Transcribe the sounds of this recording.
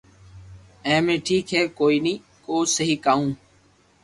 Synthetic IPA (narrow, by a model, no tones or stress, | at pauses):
ɛ̃ːmẽːʈʰiːkɦɛːkoːiːniː | koːsəɦiːkaːũː